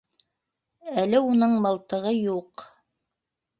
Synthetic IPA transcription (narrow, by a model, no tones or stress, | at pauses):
ælɘunɤɴmɤ̆lˠt̪ɤ̆ʁɤjuq